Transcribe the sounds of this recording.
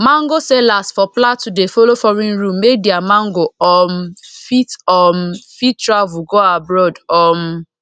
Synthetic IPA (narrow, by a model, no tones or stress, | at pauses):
mãŋɡosɛlasfɔplatudefolofɔɾĩnɹũmːek̚diamãŋɡoɔmfitɔmfittɹavuɡoabɹɔdɔm